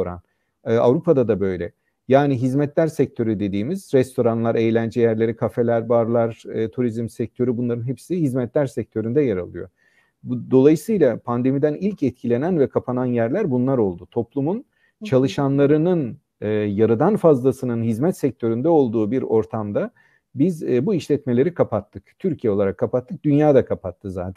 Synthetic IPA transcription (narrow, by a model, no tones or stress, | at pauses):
ɾa̰n | ɯa̰vɾupʰad̪ad̪abø̞jlʲɛ̰ | jaːniɦizmɛt̪lʲæɾsɛc̚t̪ʰøɾyd̪e̞d̪iːmizɾɛst̪ʰo̞ɾanlˠaɾejlʲænd͡ʒɛjæɾlʲeɾikʰafe̞lʲæɾbaɾlˠaɾɯːt̪ʰuɾizmsɛc̚t̪ʰø̞ɾybunlˠaɾɯnɦepsihizmɛt̪lʲæɾsɛc̚t̪ʰø̞ɾynd̪ɛjaɾalˠɯ̰jo̞̰ | d̪o̞lˠajɯsɯjlˠapʰand̪e̞mid̪ænilʲcɛt̪̚cʰilʲe̞nænvɛkʰapʰananjæɾlʲæɾbunlˠaɾo̞lˠd̪ut̪ʰo̞plˠumun | t͡ʃʰalˠɯʃanlˠaɾɯnɯn | ɯjaɾɯd̪anfazlˠasɯnɯnɦizmɛt̪sɛc̚t̪ʰø̞ɾynd̪ɛo̞lˠd̪uːbiɾo̞ɾt̪ʰamd̪a | bizbuiʃlʲɛt̪me̞lʲe̞ɾikʰapat̪ʰːɯkt̪ʰyɾcʰijɛolˠaɾakʰːapat̪ʰːɯk̚d̪ynjaːd̪akʰapʰat̪ʰːɯza̰ːt̪ʰæn